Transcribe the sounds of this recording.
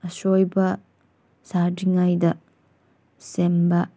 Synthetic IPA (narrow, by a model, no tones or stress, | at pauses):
ɐsojbɐ | sadiŋajdɐ | semba